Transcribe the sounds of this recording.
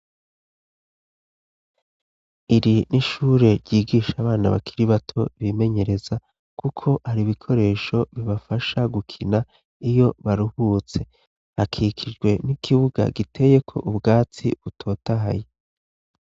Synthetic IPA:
iɾiniʃuːɾe̞ɾɟiːɡiːʃaβaːna̰βa̰kʰiɾiβatʰo̞βime̞ɲe̞ɾe̞za | kukʰo̞ʔhaɾiβikʰo̞ɾe̞ːʃo̞βiβafaʃaɡukʰina | ijo̞βaɾuhuːt͡se̞ | akʰikʰid͡ʒɡwe̞nikʰiβuɡa̰ɡitʰe̞je̞kʰo̞ʔubɡaːt͡sḭβutʰo̞ːtaɦa̰je

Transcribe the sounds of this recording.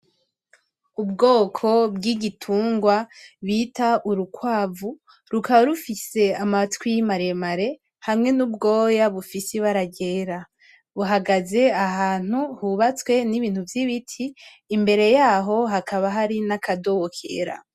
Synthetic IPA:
ubɡo̞ːkʰo̞bɡiɡitʰuːŋɡwaβiːtaʔuɾukwaːvu | ɾukaβaɾufise̞amatwijmaɾemaɾe̞ | hamŋe̞nubɡo̞ːjaβufisiβaɾaɡe̞ːɾa | βuɦaɡaze̞aɦaːn̥huhuβat͡swe̞niβiːn̥huvjiβitʰiː | mbe̞ɾe̞jaːɦo̞ɦakʰaβaɦaɾinakadohokʰḛɾa̰

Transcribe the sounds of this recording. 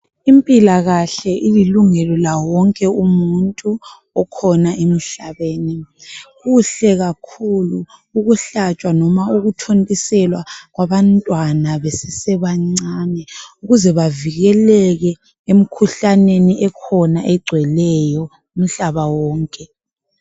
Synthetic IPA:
impʼilaɣaɬɛʔililuŋɛlɔlawɔŋkʼɛumuntʼu | ɔkʰɔnaʔem̩ɬaβeːniɣuɬɛɣakʰuluːɣuɬat͡ʃʼwanɔmauɣutʰontʼisɛlwaɣwaβantʼwanaβesɛsɛβaŋ͡ǀanɛuɣuzɛβaviɣɛlɛɣɛ | em̩kʰuɬaneniʔɛkʰɔnaʔɛɡ͡ǀʱwɛlɛjɔ | um̩ɬaβawɔːŋkʼɛ

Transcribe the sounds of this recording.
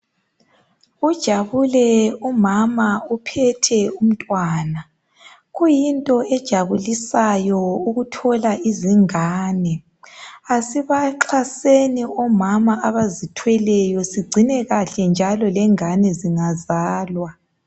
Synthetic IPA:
ud̥ʒ̥ʱaβulɛumamaupʰɛtʰɛum̩tʼwaːna | ɣujintʼɔɛd̥ʒ̥ʱaβulisajɔuɣutʰɔlaiziŋaːnɛ | asiβaǁʰaseniɔmamaaβazitʰwɛlɛjɔsiɡ͡ǀʱinɛɣaɬɛnd͡ʒʱalɔlɛŋanɛziŋazaːlwa

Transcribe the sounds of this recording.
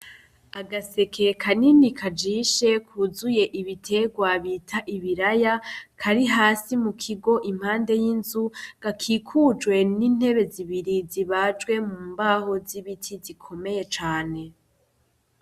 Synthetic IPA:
aɡase̞kʰe̞kʰaninikʰad͡ʒiʃe̞kʰuzuje̞ʔiβitʰe̞ɡwaβitʰaʔiβiɾajakʰaɾiɦaːsimukʰiɡo̞ʔim̥haːnde̞jinzuɡ̥akʰiːkʰud͡ʒwe̞nin̥he̞βe̞ziβiɾiziβad͡ʒɡwe̞muːmbaho̞ziβitʰizikʰo̞me̞je̞t͡ʃaːne̞

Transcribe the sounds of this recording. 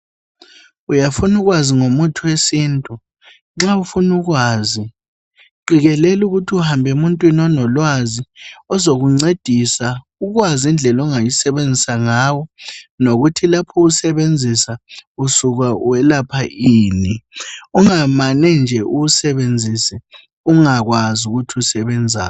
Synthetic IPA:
ujafunuɣwaziŋomutʰuwesiːntʼu | ŋ͡ǁaufunuɣwaːzi | ǃiɣɛlɛluɣutʰiuhambʱɛumuntʼwinɔnɔlwaziɔzoɣuŋ͡ǀed̥ʱisa | uɣwazind͡ɮʱɛlɔŋajisɛβend͡zʱisaŋaːwɔnoɣutʰilapʰɔusɛβend͡zʱisausuɣauwɛlapʰaʔiːniuŋamanɛnd͡ʒʱɛʔuusɛβend͡zʱisɛ | uŋaɣwazuɣutʰiusɛβɛnd͡zʱa̰ː

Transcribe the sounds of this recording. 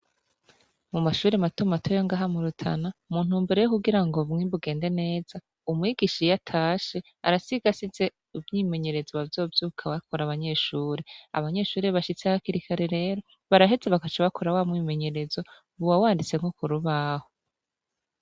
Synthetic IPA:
mumaʃuːɾematumatʰojoŋɡaːɦamuɾutʰa̰namuːn̥huːmbeɾe̞jokuɡiɾaŋɡo̞βŋibuɡe̞ːnde̞ne̞ːz̥a | umŋiːɡiʃijatʰaːʃe̞ | a̰ɾasiɡasize̞ | uvɲiːme̞ɲe̞ɾe̞zoβavjo̞ːvjukʰawakʰoɾaβaɲe̞ːʃuːɾea̰βaɲe̞ːʃuːɾe̞βaʃit͡seahakiɾikʰaɾeɾe̞ːɾo̞ | βaɾaɦe̞ze̞βakat͡ʃaβakʰoɾawamŋiːme̞ɲe̞ɾe̞zo̞ | βuwawaːndit͡se̞ŋ̥okuɾuβaho

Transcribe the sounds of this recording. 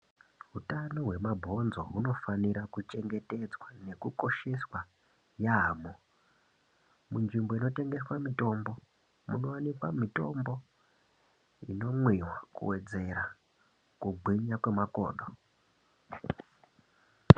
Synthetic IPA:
ɦutanoɦwe̞mabʱo̞nzo̞̰ɦuno̞faniɾakut͡ʃe̞ŋɡe̞te̞d͡zwane̞kuko̞ʃe̞swa | jaɦamo | munʐimboino̞te̞ŋɡe̞swamito̞mbo̞ | muno̞wanikwamito̞mbo̞ | ḭno̞mwiwakṵwe̞d͡ze̞ɾa | kuɡʱwiɲakwemako̞̰ːɗo

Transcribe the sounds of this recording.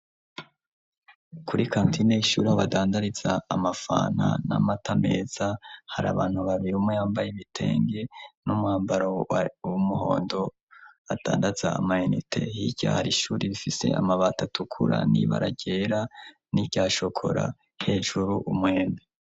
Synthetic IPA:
kʰuɾikʰaːntʰineiʃuːɾihaβadaːndaɾizaːmafa̰ːna̰namatame̞ːz̥ahaɾa̰βaːn̥huβaβiɾiumwejaːmbajeβitʰe̞̰ːŋɡe̞numuhaːmbaɾoumuɦo̞̰ːndo̞ | ad̥a̰ːndazaːmaenitʰe̞̰hiɟ̥a̰haɾiʃuːɾiβifise̞̰a̰maβatatʰukʰuɾa̰nḭβa̰ɾaɟ̥eɾa | nibɟaːʃo̞kʰo̞̰ɾa̰ | he̞ːʒuɾuʔumwe̞ːna

